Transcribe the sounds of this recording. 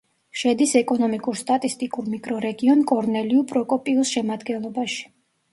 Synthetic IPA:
ʃɛd̪isɛkʼɔnɔmikʼuɾst̪ʼat̪ʼist̪ʼikʼuɾmikʼɾɔɾɛɡiɔnkʼɔɾnɛliupʼɾɔkʼɔpʼiusʃɛmad̪ɡɛnlˠɔbaʃi̥

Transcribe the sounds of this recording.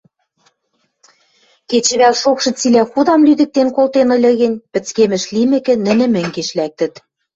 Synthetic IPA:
ket͡ɕɘ̆βælʃokʃɤ̆t͡silæxud̪ɑmlyd̪ɘ̆k̚t̪enkolt̪enɤ̆lʲɤ̆ɣɘ̆nʲpɘ̆t͡skemɘ̆ʃlimɘ̆kɘ̆nːɘ̆nɘ̆mɘ̆ŋɡeʃlæk̚t̪ɘ̆t̪

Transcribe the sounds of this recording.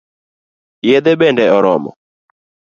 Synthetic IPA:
jed̪ebendɛɔɾɔmɔ̰

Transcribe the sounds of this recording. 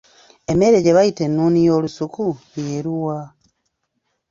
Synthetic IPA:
e̞me̞ɾe̞ɟe̞βajite̞nːuːnijo̞ːlusuku | jeːɾuwa

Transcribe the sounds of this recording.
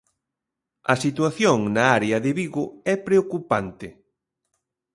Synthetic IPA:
ɐsit̪waθjoŋnɐaɾeɐðɪβiɣʊɛpɾeokupant̪ɪ

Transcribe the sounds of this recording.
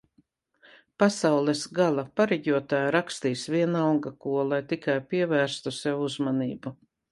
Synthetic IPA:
pasawlˠɛsɡalˠapaɾɛɡʲuɔt̪aːjɾakst̪iːsviɛnalɡakuɔlˠajt̪ikajpiɛvæːɾst̪usɛwuzmaniːbu

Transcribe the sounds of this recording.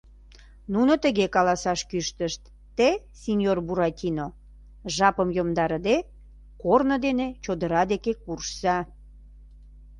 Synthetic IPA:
nunot̪əɣekɑlɑsɑʃkyʃt̪əʃt̪ːe | sʲinʲjorbuɾɑtʲino | ʒɑpəmjomd̪ɑɾəd̪e | kornəd̪enet͡ɕod̪əɾɑd̪ekekurʃsɑ

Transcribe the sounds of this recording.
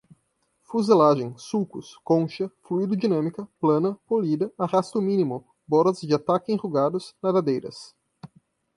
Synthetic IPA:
fuzelaʒẽj̃sukʊskõʃɐfluid̪ʊd͡ʒinɐ̃mikɐplɐ̃nɐpolid̪ɐahast̪ʊmĩnimʊ | bɔɾɐzd͡ʒɪat̪akɪẽhuɡad̪ʊznɐðad̪ejɾɐ̰s

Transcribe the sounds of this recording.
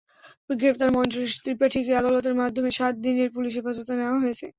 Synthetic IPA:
ɡɾept̪aɾmɔnt͡ɕoʃt̪ɾipaʈʰikead̪alot̪̬eɾmad̪ʱːomeʃat̪̚d̪ineɾpuliʃ̬ifad͡ʑot̪aneoaɦojet͡ɕʰḛ

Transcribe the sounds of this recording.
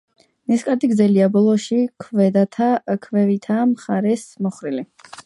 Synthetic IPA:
niskʼad̪iɡd̪zɛliabɔlˠɔʃikʰvɛd̪at̪ʰakʰvɛvit̪ʰamχaɾɛsmɔχɾili

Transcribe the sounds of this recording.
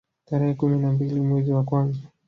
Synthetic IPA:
taɾɛhɛkuminambilimwɛziwakwanza

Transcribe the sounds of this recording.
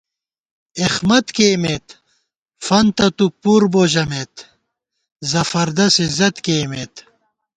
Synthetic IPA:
ixmɐt̪kemet̪ | fɐnt̪ɐt̪upuːɾboʑɐmet̪ | zɐfɐɾd̪ɐsizɐt̪keːmet̪

